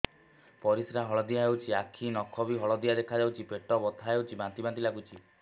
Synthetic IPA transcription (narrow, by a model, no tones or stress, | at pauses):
pɔɾisɾaɦɔɭɔd̪ijaɦewt͡ʃʰiakʰinɔkʰːɔbiɦɔɭɔd̪ijad̪ekʰad͡ʒawt͡ʃʰipeʈɔbɔt̪ʰaɦewt͡ʃʰibãnt̪ibãnt̪ilaɡut͡ʃʰi